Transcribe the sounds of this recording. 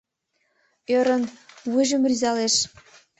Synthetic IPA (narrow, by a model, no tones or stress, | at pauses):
øɾə̆nβuʒə̆mryzɑleʃ